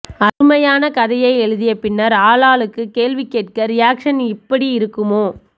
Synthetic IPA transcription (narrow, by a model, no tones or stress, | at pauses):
ɐɾɯmɐjaːnɐkɐðɐjɐɪɛɻɯðɪjɐpɪnːɐɾaːlaːlɯkːɯkeːlʋɪkːeːʈ̚kɐɾɪjaːkʂɐnɪpːɐɽiɪɾɯkːɯmoː